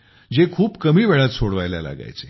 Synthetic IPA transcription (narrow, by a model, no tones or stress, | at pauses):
d͡ʑekʰuːpkəmiːʋeɭat̪soɽʋajlja̰la̰ɡa̰jt͡se